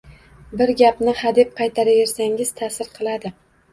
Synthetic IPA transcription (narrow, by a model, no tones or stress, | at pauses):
bɪɾɡʲapnɪhad̪ɪp̚qʰɑjt̪ʰaɾave̞ɾsaŋʲɪz̥t̪ʰasɪɾqʰɨlˠad̪ɪ